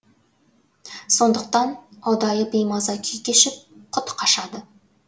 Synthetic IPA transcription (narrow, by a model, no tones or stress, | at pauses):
so̞nd̪əq̚t̪ɑnɑwd̪ɑjəbijmɑzɑkʲʰʏjkʲeʃɪp̚qʰʊt̪qʰɑʃɑd̪ə